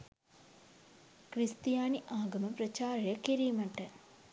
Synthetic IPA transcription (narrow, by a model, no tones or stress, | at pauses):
kɾist̪ijaːniʔaːɡɐmɐpɾɐt͡ʃaːɾjɐkiɾiːmɐʈːɐ